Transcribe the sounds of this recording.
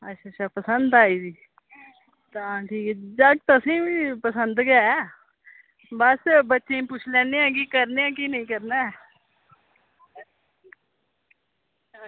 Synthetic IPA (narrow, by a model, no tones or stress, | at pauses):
ətʃʰaːʃʰaːpəsənd̪aːiːsiː | t̪ãːʈʰiːkɛːd͡ʒəɡ̚t̪əsĩːʋiːpəsənd̪ɡəaɛː | bəsbətːʃẽːpʊt͡ʃʰlɛ̃ːnejãːk̬iːkəɾnejãːkiːnəĩːkəɾnaː